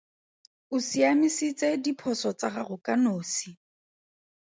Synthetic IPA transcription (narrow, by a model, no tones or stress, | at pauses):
ʊsiamisit͡sʼedipʰɔsɔt͡saχarʊkʼanoːsi